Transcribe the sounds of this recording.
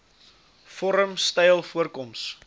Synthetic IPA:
fɔɾəmstɛjlˠfuərkɔms

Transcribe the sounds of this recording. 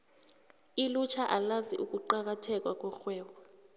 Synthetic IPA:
ilut͡ʃʰaʔalaziʔuk̬ʼuǃak̬atʰɛk̬ʼwak̬ʼwɔxwɛːwa

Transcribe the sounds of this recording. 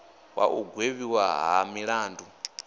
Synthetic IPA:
wa̰ʔuɡʱweβiwaɦamiɺaːndu

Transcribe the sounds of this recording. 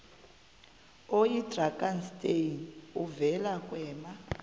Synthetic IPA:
ojidrakanstʼenuvɛlakwɛːma

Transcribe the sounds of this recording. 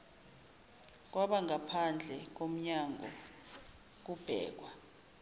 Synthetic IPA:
k̬waɓaŋapʰand͡ɮʱɛk̬om̩ɲaŋɔ̰ | k̬ub̥ʱɛ̰ːk̬wa

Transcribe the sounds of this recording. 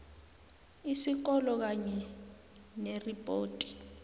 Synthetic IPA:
isik̬ɔlɔk̬aɲɛ | neripʼoːtʼi̥

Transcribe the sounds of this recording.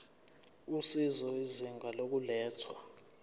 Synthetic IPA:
usizɔiziŋɡʱalok̬ulɛːtʰwa

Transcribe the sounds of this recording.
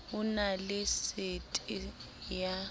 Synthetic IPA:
ʊnalɪsɪtʼ | ja

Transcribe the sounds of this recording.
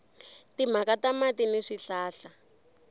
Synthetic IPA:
tim̤akatamatiniʂiɬaːɬa

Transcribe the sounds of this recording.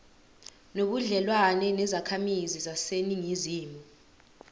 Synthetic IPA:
noɓuɮɛlwanɛnɛzakʰamizizaseniŋiziːmu

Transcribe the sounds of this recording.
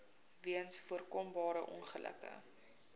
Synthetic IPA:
viənsfuərkɔmbɑːɾəʔɔ̰nχəlʔə̰kə̰

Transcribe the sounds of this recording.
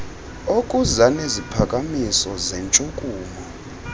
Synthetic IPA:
okʼuzanezipʰakʼamisɔzɛnt͡ʃʼukʼuːmɔ

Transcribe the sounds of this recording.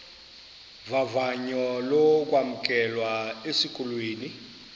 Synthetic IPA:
vavaɲɔlɔk̬ʼwam̩kʼɛlwaesikʼulweːni

